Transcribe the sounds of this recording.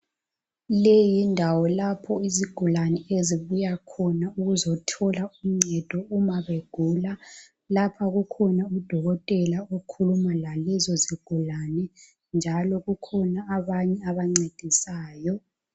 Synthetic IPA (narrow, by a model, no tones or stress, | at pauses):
lejindʱawɔlapʰɔiziɡ̥ʱulanɛeziβujakʰɔnauɣuzɔtʰɔlaum̩ŋ͡ǀɛd̥ʱɔumaβeɡ̥ʱuːla | lapʰaɣukʰɔnaud̥ʱɔɣɔtʼɛlaokʰulumalalɛzɔziɡ̥ʱulanɛ | nd͡ʒʱalɔɣukʰɔnaːβaɲɛaβaŋ͡ǀed̥ʱisaːjɔ